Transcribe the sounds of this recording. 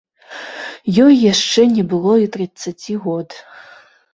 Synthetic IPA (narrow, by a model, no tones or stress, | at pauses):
jɔjːaʂt͡ʂɛnʲɛbɨlˠɔit̪ɾɨsat͡sʲiɣɔd̪